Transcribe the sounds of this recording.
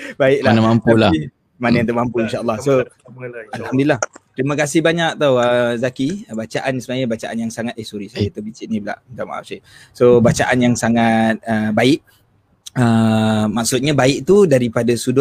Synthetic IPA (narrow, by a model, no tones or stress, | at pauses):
baɪk̚laanamampulai | manajant̪umampuinʃaʔəlːɑhso | alhamdilaht̪ɾimakas̬ɪhbaɲak̚t̪awəzakibat͡ʃaʔansəmaɲəbat͡ʃaʔanjaŋsaŋat̪̚ehsuɾisajət̪abit͡ʃɪt̪̚nibəla̰ʔnt̪ama̰ʔa̰ʔsa | sobat͡ʃaʔanjaŋsaŋat̪̚əbaɪʔ | əmaʔ̚sʊt̪̚ɲabaɪʔ̚t̪udaɾipadasudʊ